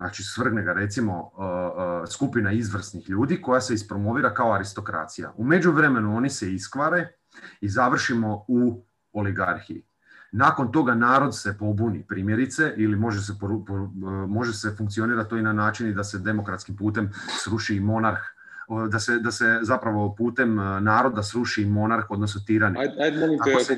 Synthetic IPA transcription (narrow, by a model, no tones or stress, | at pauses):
nat͡ʃisʋr̩ɡneɡaɾe̞t̪simo̞ | skupinaizʋr̩snixʎuːd̪iko̞jaseispɾo̞mo̞ʋiːɾakaoaɾist̪o̞kɾa̰ːt̪sija̰ʔume̞d͡ʒuʋɾe̞me̞nuo̞niseiskʋaɾe̞ | izaʋr̩ʃimo̞u | oliɡaɾxiḭ | naːko̞nt̪o̞ɡanaːɾo̞d̪sepo̞bunipɾiːmje̞ɾit̪se̞ʔilimo̞ʒes̬epoɾupomo̞ʒesefuŋkt̪sio̞niːɾat̪t̪o̞inanaːt͡ʃinid̪ase̞d̪e̞mo̞kɾat̪skimpuːt̪e̞msɾuʃiːmo̞naɾx | d̪ased̪asezapɾaʋo̞puːt̪e̞mnaːɾo̞d̪asɾuʃiːmo̞naɾxo̞d̪nos̬nut̪iːɾaniajiao